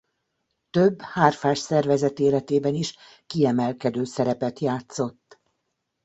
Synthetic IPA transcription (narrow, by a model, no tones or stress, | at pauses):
t̪øbːhaːrfaːʃsɛrvɛzɛt̪eːlɛt̪eːbɛniʃ | kiɛmɛlkɛd̪øːsɛɾɛpɛt̪jaːt̪so̞t̪ː